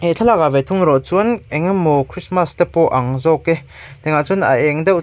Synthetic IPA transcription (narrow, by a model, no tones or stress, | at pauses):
ɛt͡ɬʰalakavet̪ʰuŋɾɔʔt͡sunɛŋɐmokʰɾismast̪epɔʔɐŋzɔke | t̪ɛŋat͡suna̰ʔɛŋd̪ɛw